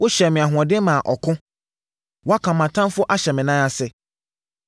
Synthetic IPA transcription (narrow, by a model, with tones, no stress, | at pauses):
wʊ˦ɕɛ˨mɪ̃˨a˨ɦʊ̃˨ɔ̃˨dɪ˦mã˨ʔɔ˨kʰʊ̃˦ | wɔ˦a˦kʰã˨mã˨tʰã˦nfʊ˦ʔa˦ɕɛ˨mɪ̃˨nãː˦a˨sɛ˨